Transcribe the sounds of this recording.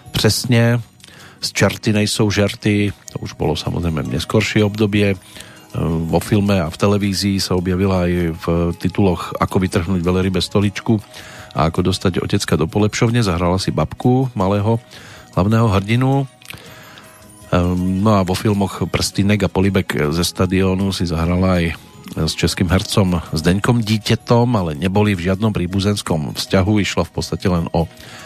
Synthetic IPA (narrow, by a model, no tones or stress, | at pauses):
pr̝̥ɛsɲɛ | st͡ʃɛɾt̪inɛjsɔʊʒɛɾt̪it̪ɔ̰uʒbɔ̰lɔsa̰mɔ̰zɾɛjmɛ̰ɲɛskɔɾʃɪɛɔbd̪ɔbɪɛ | ʋɔfilmɛaft̪ɛlɛʋiːziːsaɔbjaʋilaːjft̪it̪ulɔxa̰kɔʋit̪r̩ɦnuːɟʋɛlɛɾibɛst̪ɔlit͡ʃkua̰akɔd̪ɔst̪aɟɔ̰cɛt͡skad̪ɔpɔlɛpʃɔʊɲɛzaɦɾalasibapkumalɛːɦɔɦlaʊnɛːɦɔɦr̩ɟinu | nɔaʋɔfilmɔxpr̩st̪inɛɡapɔlibɛɡzɛst̪ad̪iɔːnusizaɦɾalaːj | st͡ʃɛskimɦɛɾt͡sɔmzd̪ɛɲkɔmɟiːcat̪ɔmalɛɲɛbɔlivʒɪad̪nɔmpɾiːbuzɛnskɔmfscaɦuiʃlafpɔt̪t͡st̪acɛlɛnɔ